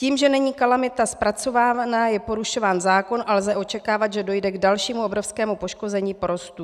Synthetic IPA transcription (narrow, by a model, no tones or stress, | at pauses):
ciːmʒɛnɛɲiːkalamɪt̪aspɾat͡so̞vaːanaːjɛpo̞ɾuʃo̞vaːnzaːko̞nʔalzɛʔo̞t͡ʃɛkaːvat̪ʒɛdo̞jdɛɡdalʃiːmuʔobɾo̞fskɛːmupo̞ʃko̞zɛɲiːpoɾo̞st̪u